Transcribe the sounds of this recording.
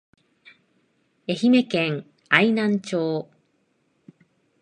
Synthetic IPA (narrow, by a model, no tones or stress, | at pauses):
eçime̞kẽŋ | ainãɲt͡ɕoː